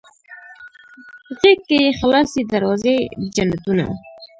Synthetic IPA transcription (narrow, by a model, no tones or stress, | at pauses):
ɣekːejexalɑsed̪aɾwɑzed͡ʒanat̪una̰